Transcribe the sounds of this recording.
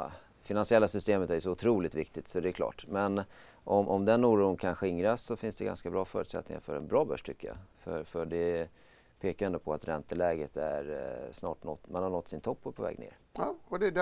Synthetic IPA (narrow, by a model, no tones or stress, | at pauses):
fɪnansɪɛlːasʏst̪eːmət̪æɾjsɔʊt̪ʰɾuːlɪt̪vɪk̚t̪ɪt̪sɔd̪ɛæɾkʰlɑ̰ːʈmɛn | ʔɔmʔɔmd̪ɛnːuːɾuːnkʰanɧɪŋɾasːɔfɪnsd̪ɛɡa̰nskabɾɑːfœːɾʉ̟t̪sɛ̰t̪̚ːnɪ̰ŋa̰fœɾɛ̰nbɾɑːbœ̰ʂʈ̪ʰʏkːəja̰fœ̰ɾfœɖɛ | pʰeːkaɾjɛnd̪ɔpʰɔat̪ɾɛnt̪əlɛːɡət̪æɾsnɑ̰ːʈnɔt̪ːmanhaɳɔt̪ːsɪnt̪ʰɔpːɔɾpʰɔvɛ̰ːɡnḛːɾ | ɔd̪ɛ